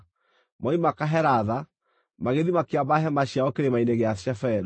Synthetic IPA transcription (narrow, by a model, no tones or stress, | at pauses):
mɔimakaɦɛɾaða | maɣeðimakeabaɦɛmaɕiaɔkeɾemaineɣeaʃɛfɛɾɔ